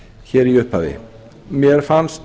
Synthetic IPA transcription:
çɛːɾiʏhpa̰ːvɪ̰ | mjɛɾ̥fanst̪

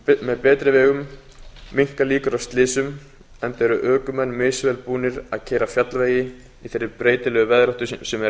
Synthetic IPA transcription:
mɛðpɛːt̪ɾɪvɛːɣʏmː | iŋ̥kaliːkʏɾawst̪lɪːsʏm | ɛnt̪ɛɾʏʔœːkʏmɛnːmɪːsvɛːlpuːnɪɾaðcʰɛːɾafjat̪lveːjɪ | iθerːɪpɾeːjt̪ɪlɛːɣʏvɛðɾɔht̪ʏsɛmɛ

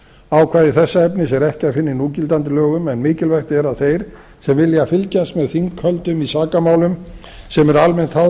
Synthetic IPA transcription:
aːwkʰvaːðɪθɛsːaɛpnɪsɛɾɛhcɪaðfɪnːɪnuːcɪlt̪ant̪ɪlœːɣʏmɛnmɪːcɪlvɛjxt̪ɛɾaðθejɾ̥ | sɛmvɪljafɪlcast̪mɛðθiŋkʰhœlt̪ʏmisaːkamaːwlʏm | sɛmɛɾalmɛn̥t̪ha

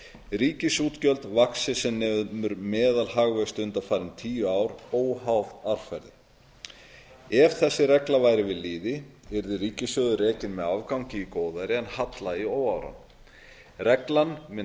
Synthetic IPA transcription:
riːcɪsuːt̪cœlt̪vaksɪsɛmnɛmʏɾmɛːðalhaɣvɛst̪ʏnt̪afaːɾɪnt̪ʰiːjʏaːwɾoːwhawðaɾ̥fɛɾðɪ̰ | ɛv̥θɛsːɪɾɛklavaːjɾɪvɪðliːðɪɛɾðɪɾiːcɪsœːɣðʏrɛːcɪnmɛðavkawŋcɪikoːwðajɾɪɛnhat̪laioːwawɾa̰n | rɛklanmɪ

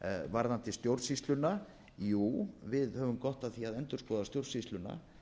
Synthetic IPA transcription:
vaɾðant̪ɪst̪jowɾsist̪lʏna | juːvɪðhœvʏmkɔht̪aðθiaðɛnt̪ʏɾ̥skɔːðast̪jowɾsist̪lʏna̰

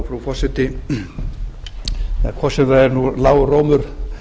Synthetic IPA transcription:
fɾufɔsɪt̪ɪ | a̰kʰɔsɪðaɛɾnulaːwroːwmʏɾ̥

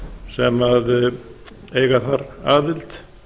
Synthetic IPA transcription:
sɛmað | ejɣaθaɾaːðɪlt̪

